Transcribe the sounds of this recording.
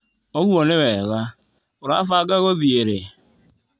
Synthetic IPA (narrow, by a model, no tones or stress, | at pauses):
oɣuɔnewɛɣa | oɾafaɡaɣoðieɾe